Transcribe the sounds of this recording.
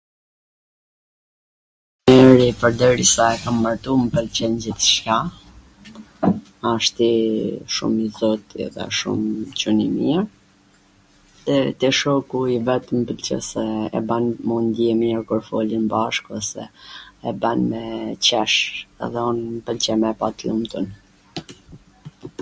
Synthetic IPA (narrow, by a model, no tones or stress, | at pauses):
mɛɾipəɾd̪əɾisaɛkambaɾt̪uməpəlt͡ɕɛnɟiθʃka | aʃt̪iʃṵmizɔt̪ḭðɛ̰ʃṵmt͡ɕunimiɾ | t̪ɛt̪ɛʃɔkuivɛt̪əmpəlt͡ɕɛ̰sɛɛ̰banmund̪jɛmɲɛɾkuɾfɔ̰linbaʃkɛsɛ̰ɛbanmɛt͡ɕɛʃɛ̰ðɛɔnmpəlt͡ɕɛmɛpat̪lumt̪ən